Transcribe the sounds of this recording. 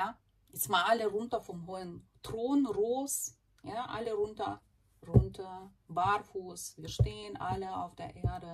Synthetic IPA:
ja | jɛt͡sstmaːʔaləʁʊntɐfɔmɦoːəntʁ̥oːnʁoːs | jaʔa̰ləʁʊntɐ | ʁʊntʰɐ | baɾfuːsviːɐʃteːənʔaləa̰ʊfd̥eːɐʔeːɐdə

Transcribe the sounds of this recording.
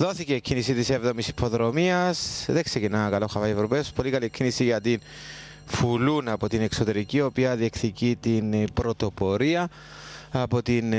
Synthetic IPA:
ðo̞θicecʰinisit̪ise̞vðo̞misi̥pʰo̞ðɾo̞miɐsðeksecinɐkɐlo̞xɐvɐievɾopeospo̞likɐlikʰːinisiʝɐt̪in | fulunɐpo̞t̪ine̞kso̞t̪e̞ɾicio̞piɐðie̞kθicit̪inpɾo̞t̪o̞po̞ɾiɐː | po̞t̪in

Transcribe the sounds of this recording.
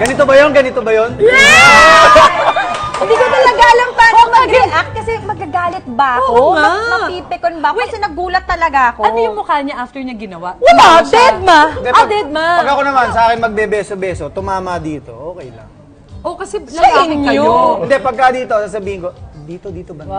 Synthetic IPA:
ɡɐnɪt̪obɐjonɡɐnɪt̪obɐjon | ɪ̃nd̪iːkot̪ɐlɐɡalɐŋpaːɾɐŋmɐɡɾɛʔak̚t̪̚kɐsɛmɐɡːɐɡaːlɪt̪̚bɐɐkoɐmɐiːpɪkonbɐɐksɛnɐɡuːlɐt̪ːɐlɐɡaɐkoɐojʊŋmokalɲɐʔaft̪ɛɹɲɐɡɪnɐwaʔad̪ɛd̪̚mɐɪnd̪ɛd̪ɛd̪̚mɐpɐɡɐkonɐmansɐʔaːkɪŋmɐɡ̚bɛbɛːsobɛːsot̪ʊmaːmɐd̪iːt̪o̞ʔoːkɛjlɐ̰ŋ | ʔokɐsɛnɐinɪŋoɪnd̪ɛpɐɡ̚kad̪iːt̪osaːs̬ɐbiːhɪnko̞d̪iːt̪od̪iːt̪obɐ

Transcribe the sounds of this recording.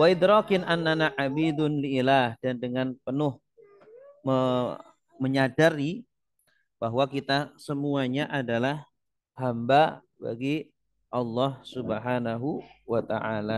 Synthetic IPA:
waɪd̪ɾɔkɪnʔanːanaʕabid̪ʊnliːlahdandəŋanpənʊh | mə | məɲadaɾi | baɦwakit̪asəmuaɲaʔadalah | hamba | ba̰ɡi | ʔɑlːɑhsubəɦanaɦuwat̪aʕala

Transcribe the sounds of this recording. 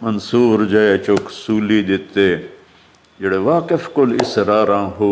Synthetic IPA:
mɐnsuːɾd͡ʒaet͡ʃoːksuːliːd̪ɪt̪ːeː | d͡ʒeɽeʋaːkefkolɪ̰sɾaːɾãːɦoː

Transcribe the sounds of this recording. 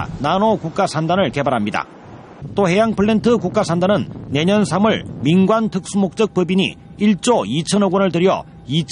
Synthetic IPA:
nanokuk̚k͈asʰandanɯɭke̞baɾɦamɲida̰ | t͈ohe̞jaŋpʰɯɭːe̞ntʰɯkuk͈asʰandanɯnːe̞ɲʌnsʰamuɭminɡwantʰɯk̚s͈umok̚t͡ɕ͈ʌk̚p͈ɯbiɲḭ | iɭt͡ɕ͈oit͡ɕʰʌnoɡonɯɭt̬ɯɾjʌ̰ | it͡ɕʰ

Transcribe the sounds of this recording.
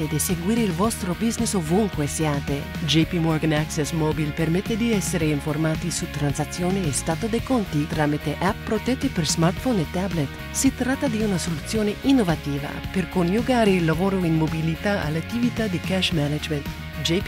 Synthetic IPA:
ed̪iseɡwiːɾeilvɔst̪ɾobiznesovuŋkwesjaːt̪ed͡ʒepimɔɾɡanaksɛsmɔbilpermɛt̪ːed̪iɛsːeɾeiɱformaːt̪isut̪ːɾansat̪sːjoːneːst̪aːt̪od̪ekont̪it̪ɾaːmit̪eʔappːɾot̪ɛt̪ːiperzmart̪fonet̪ːablet̪ | sit̪ɾat̪ːad̪iunasolut̪sːjoːneʔinːovat̪iːva̰perkonjuɡaːɾeilːavoːɾoinmobilit̪aa̰lat̪ːivit̪ad̪ikɛʃmɛnad͡ʒment̪ | d͡ʒep

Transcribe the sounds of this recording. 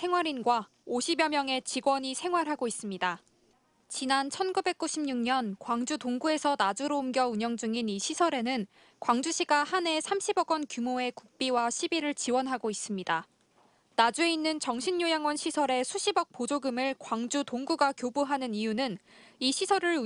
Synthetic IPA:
sʰe̞ŋwaɾinɡwa | oɕʰibjʌmjʌŋe̞t͡ɕiɡwʌɲisʰe̞ŋɦwaɾɦaɡois͈ɯmɲida | t͡ɕinant͡ɕʰʌnɡube̞k̚k͈uɕʰimɲuŋɲʌnkwaŋd͡ʑutoŋɡue̞sʰʌnad͡ʑuɾoumɡjʌuɲʌŋd͡ʑuŋiniɕʰisʰʌɾe̞nɯn | kwaŋd͡ʑuɕ͈ʰiɡahane̞sʰamɕʰibʌɡwʌnkjumoe̞kuk̚p͈iwaɕʰibiɾɯɭt͡ɕiwʌnɦaɡois͈ɯmɲida | nad͡ʑue̞inːɯnt͡ɕʌŋɕʰiɲːojaŋwʌnɕʰisʰʌɾe̞sʰuɕʰibʌk̚p͈od͡ʑoɡɯmɯɭkwaŋd͡ʑutoŋɡuɡakjobuɦanɯnijunɯniɕʰisʰʌɾɯɭ

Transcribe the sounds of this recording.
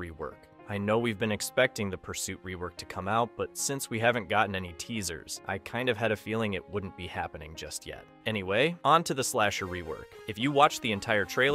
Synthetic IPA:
ɹiwɜ̰˞k | aɪnoʊwivbɨ̃nɨkspɛk̚tɪ̃ŋðɨpʰə˞sʉʔ̚ɹiwɜ˞k̚tʰɨ̥kʰʌ̃maʊt̚b̥ʌtsɪ̃nswiɦævɨ̃nɡ̥ɑʔn̩ɛnitʰizə̰˞z̥ʔa̰ɪkʰãɪ̃ndʌv̥ɨɾɨfilˠɪ̃ŋɨt̚wʊdⁿn̩b̥ihæ̰pɨnɪ̰̃ŋd͡ʒʌst̚jɛ̰t̚ɛñiweɪʔə̃ntʰɨðɨslæʃə˞ɹiwɜ̰˞kɨfjɨwɑt͡ʃðiɨ̃ntʰaɪə˞tʰɹ̥eɪ

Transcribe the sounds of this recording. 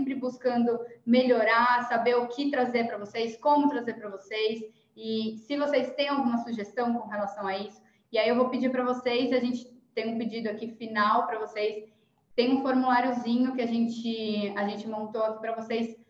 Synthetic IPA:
mpɾɪbuskɐ̃nd̪ʊmeʎoɾasabeɾʊkʰɪt̪ɾazeɾpɾɐvosejskõmʊt̪ɾazeɾpɾɐvosejs | ɪsɪvosejst̪ẽj̃awɡũmɐsuʒest̪ɐ̃w̃kõɦelasɐ̃w̃aisʊ̥ | ɪaiewvopɪd͡ʒiɾpɾɐvosejzɪaʒẽnt͡ʃɪ̥t̪ẽj̃ũpɪd͡ʒid̪ʊakifinawpɾɐvosejs | t̪ẽj̃ũfoɾmulaɾjʊzĩɲʊkɪaʒẽnt͡ʃɪaʒẽt͡ʃɪmõnt̪oakipɾɐvosejs

